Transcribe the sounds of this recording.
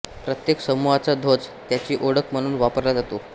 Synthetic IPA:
pɾət̪jeksəmuɦat͡sad̪ʱod͡zt̪jat͡ɕiːʔoɽəkm̤əɽ̃uːnʋapəɾlad͡zat̪o

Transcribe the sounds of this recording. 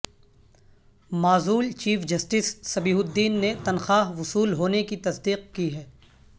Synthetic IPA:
maːzuːlt͡ʃiːfd͡ʒɐsʈɪsːɐbiːɦʊd̪ːiːnːet̪ɐnxaːɦʋʊsuːlɦoːnekit̪ɐsd̪iːq̚kiɦɛː

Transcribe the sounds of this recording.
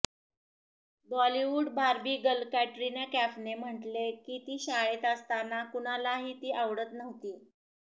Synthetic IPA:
bɔliʋuɖbʱaɾbiːɡəlkæʈɾinakæfnem̤əʈlekit̪iːɕaɭet̪əst̪anakuɳ̃alaɦiːt̪iːʔaʋɽət̪nəʋt̪iː

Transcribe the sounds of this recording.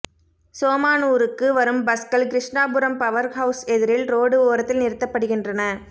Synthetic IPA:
soːmaːnuːɾɯkːɯʋɐɾɯmbɐskɐlkɪɾɪʂɳaːbɯɾɐmpɐʋɐɾkɦɐʊsɛðɪɾɪlɾoːɽɯoːɾɐt̪ːɪlnɪɾɯt̪ːɐpːɐɽɯɣɪndrɐnɐ

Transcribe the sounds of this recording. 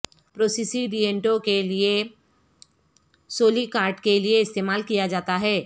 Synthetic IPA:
pɾoːsisiɖijẽɳʈõkelie | soːlikaːɾʈkelieɪst̪eːmaːlkijad͡ʒaːt̪aɦɛː

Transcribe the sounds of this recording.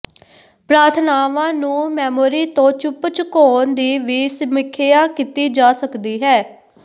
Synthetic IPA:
pɾaːɾt̪ʰnaːʋãːnũːmɛːmoːɾiːt̪õːt͡ʃʊpt͡ʃəkoːnd̪iːʋiːsəmɪkʰːeaːkit̪iːd͡ʒaːsəkd̪iːɦɛː

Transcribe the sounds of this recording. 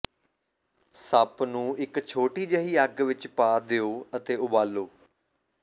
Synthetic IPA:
səpnũːɪkt͡ʃʰoːʈiːd͡ʒəɦiːaɡʋɪt͡ʃpaːd̪eːoːət̪eːʊbaːloː

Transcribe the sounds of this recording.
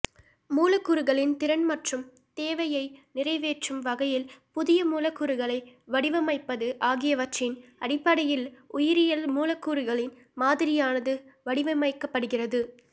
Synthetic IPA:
muːlɐkːʊɾɯɣɐɭɪnt̪ɪɾɐnmɐʈrɯm | t̪eːʋɐjɐɪnɪrɐɪʋeːʈrɯmʋɐɣɐjɪlpʊðɪjɐmuːlɐkːʊɾɯɣɐɭɐɪʋɐɽɪʋɐmɐɪpːɐðɯʔaːɣɪjɐʋɐʈt͡ʃɪnʔɐɽɪpːɐɽɐjɪlʊjɪɾɪjɐlmuːlɐkːuːɾɯɣɐɭɪn | maːðɪɾɪjaːnɐðɯʋɐɽɪʋɐmɐɪkːɐpːɐɽɯɣɪrɐðɯ

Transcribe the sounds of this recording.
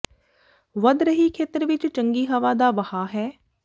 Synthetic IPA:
ʋəd̪ɾəɦiːkʰeːt̪əɾʋɪt͡ʃt͡ʃəŋɡiːɦəʋaːd̪aːʋəhaːɦɛː

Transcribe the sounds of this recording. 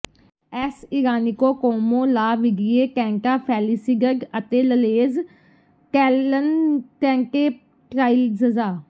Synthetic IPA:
ɛsɪɾaːnikoːkoːmõːlaːʋɪɡieːkɛ̃ːŋkaːpʰɛːlisiɡəɡət̪eːləleːz | kɛːlənkɛ̃ːŋkeː | ʈɾaːilzəzaː

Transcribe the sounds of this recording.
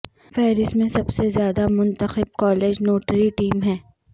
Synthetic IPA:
fɛːɾɪsmẽsɐbsezjaːd̪amʊ̃nt̪əxɪb̚kɔːleːd͡ʒnoːʈəɾiʈiːmɦɛ̃ː

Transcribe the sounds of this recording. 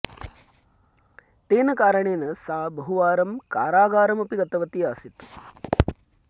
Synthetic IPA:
t̪eːnɐkaːɾɐɳeːnɐsaːbɐɦuʋaːɾɐmkaːɾaːɡaːɾɐmɐpiɡɐt̪ːɐʋɐt̪iaːsit̪u̥

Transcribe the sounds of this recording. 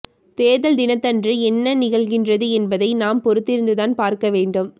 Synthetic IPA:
t̪eːðɐld̪ɪnɐt̪ːɐndrɯɛnːɐnɪɣɐɭɣɪndrɐðɯɛnbɐðɐɪnaːmpɔɾɯt̪ːɪɾɯnd̪ɯðaːnpaːɾkɐʋeːɳɖɯm

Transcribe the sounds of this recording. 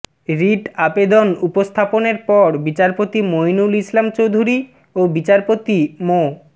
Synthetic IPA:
ɾiʈabed̪onupost̪ʰaponeɾpɔɾbit͡ɕaɾpot̪imojnulislamt͡ɕowd̪ʱuɾi | obit͡ɕaɾpot̪imo

